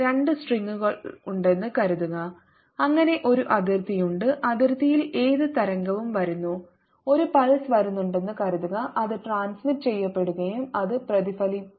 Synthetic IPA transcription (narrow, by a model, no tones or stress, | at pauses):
ɾe̞ɳɖɨsʈriŋːuɣɐɭuɳɖe̞nːɨkɐɾuðuɣɐ | ɐŋːɐne̞ʔo̞ɾuʔɐðirt̪ijuɳɖɨʔɐðirt̪ijile̞ːðɨt̪ɐɾɐŋɡɐʋumʋɐɾunːu | o̞ɾupɐɻɐsʋɐɾunːuɳɖe̞nːɨkɐɾuðuɣɐʔɐðɨʈraːnsmiʈ̚ːt͡ɕe̞jːɐpːe̞ɽuɣɐjumɐðɨprɐðifɐli